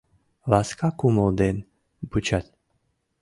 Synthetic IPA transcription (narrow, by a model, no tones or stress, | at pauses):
vaskakumod̪en | but͡ʃat̪